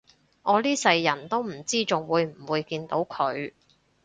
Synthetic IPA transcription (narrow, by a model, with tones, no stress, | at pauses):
ʔɔː˨˧liː˥sɐ˧jːɐ˨˩nt̪o˥wm̩˨˩t͡siː˥t͡sʊ˨ŋwuː˨˧jm̩˨˩wuː˨˧jkiː˧nt̪o˨˥wkʰɵ˨˧ɥ